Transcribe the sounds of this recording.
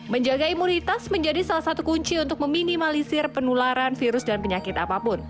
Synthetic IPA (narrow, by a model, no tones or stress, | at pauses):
məɲd͡ʒaɡaimunit̪asməɲd͡ʒadisalahsat̪ukuɲt͡ʃiunt̪ʊk̚məminimalisɪrpənulaɾanfiɾʊsdanpəɲakɪt̪apapʊn